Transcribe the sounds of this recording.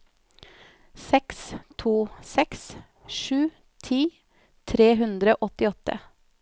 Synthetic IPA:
sɛkst̪ʰuːsɛks | ʃʉː | t̪ʰiː | t̪ʰɾeːɦʉnd̪ɾəoːʔɔt̪ɪɔt̪ə̰

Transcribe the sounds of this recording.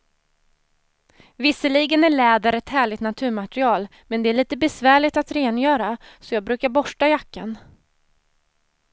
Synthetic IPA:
vɪsːəliːɡənæɭɛːd̪əɾɛt̪hæːɭɪɡt̪nat̪ʰʉ̟ːɾmat̪ɾɪɑːl | mɛnd̪ɛæɭiːt̪əbɛsvæːɭɪɡt̪at̪ɾeːnjœːɾasɔjɑːɡ̚bɾʉ̟ːkaɾbɔʂʈajakːan

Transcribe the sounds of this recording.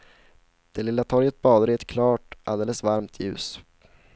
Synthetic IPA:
d̪̥ɛlɪlːat̪ʰɔɾjət̪̚bɑːd̪əɾɪɛt̪kʰlɑːʈʔa̰ld̪eːləsvaɾmt̪ʰjʉ̟̰ːs

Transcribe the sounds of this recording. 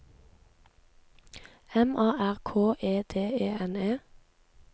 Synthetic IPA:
ɛmɑːʔæʁkʰoːʔeːd̪̥eːeːɛneː

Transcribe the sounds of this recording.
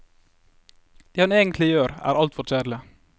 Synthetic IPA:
d̪̥eːhɑneːɡənt̪ʰlɪjøːɾæ̰ːɾɑlt̪fɔɾʃæːɾlɪ

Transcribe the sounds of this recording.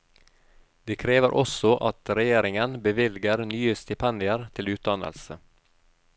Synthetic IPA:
d̪̥eːkʰɾeːʋəɾʔɔsɔʔɑt̪ɾɛjeːɾɪŋənbəʋɪlɡəɾnyːəst̪ɪpʰɛnd̪ɪəɾt̪ʰɪlʉːt̪̚d̪ɑnə̰lsə

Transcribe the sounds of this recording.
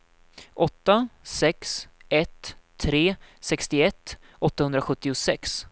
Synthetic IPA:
ʔɔt̪ːasɛksɛt̪ʰː | ɾeːsɛkst̪ɪɛt̪ː | ɔt̪ːahɵnd̪ɾaɧɵt̪ːɪʊsɛks

